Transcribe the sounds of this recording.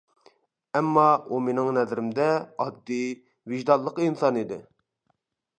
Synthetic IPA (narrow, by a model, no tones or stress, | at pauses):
ɛmːɑumenɪŋnɛzɾɪmd̪ɛɑd̪ːi | viʒd̪ɑlˠːəqinsɑnid̪ɪ